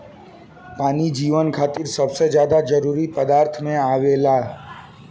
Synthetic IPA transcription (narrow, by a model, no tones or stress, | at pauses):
paːnid͡ʒiːʋənkʰaːt̪ɪɾsəbsed͡ʒjaːd̪ad͡ʒəɾuːɾipəd̪aːɾt̪ʰmẽaːʋeːlaː